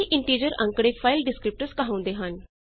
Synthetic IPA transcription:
iʔiɳʈid͡ʑəɾã̰ŋkɽefajlɖiskɾip̚ʈəskaɦãw̃nd̪eɦan

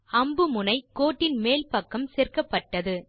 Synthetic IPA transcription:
ɐmbɯmʊnɐɪkːoːʈːɪnmeːlpɐkːɐmsɛːrkɐpːɐʈːɐðɯ

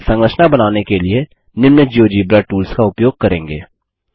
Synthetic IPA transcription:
sə̃ŋɡɾəʃnabɐnaːnekelɪe | nɪmnəd͡ʒiod͡ʒiːbɾaʈuːlskaʊpjoːɡ̚kɐɾẽːŋɡḛː

